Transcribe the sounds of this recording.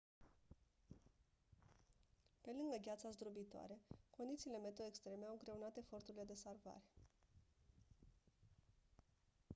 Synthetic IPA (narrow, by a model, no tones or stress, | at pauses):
pe̞lɨŋɡəɡʲat̪sazd̪ɾobit̪oa̰ɾe̞ko̞nd̪it̪siːle̞me̞t̪oekst̪ɾe̞me̞awɨŋɡɾe̞unat̪e̞fo̞rt̪uɾile̞d̪e̞sarva̰ɾe̞̥